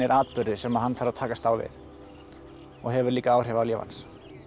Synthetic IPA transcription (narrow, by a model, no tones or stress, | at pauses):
ɛɾʔaːt̪pʏɾðɪsɛmaðɦanːfaɾaðt̪ʰaːkast̪aːwvɪ̰ð | ɔɣɦɛvʏɾliːkaaːwr̥ɛvaljɛːva̰ns